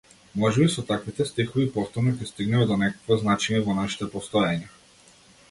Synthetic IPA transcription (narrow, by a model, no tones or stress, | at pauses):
mɔʒɛbisɔt̪akvit̪ɛst̪ixɔvipɔft̪ɔɾnɔkʲɛst̪iɡnɛmɛd̪ɔnɛkakvɔznat͡ʃɛɲɛvɔnaʃi̥t̪ɛpɔst̪ɔjaɲa